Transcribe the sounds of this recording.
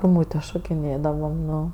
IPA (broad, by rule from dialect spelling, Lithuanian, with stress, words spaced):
ɡʊˈmuːtʲeː ʃoːkʲɪˈnʲeːdɐʋɐm ˈnʊ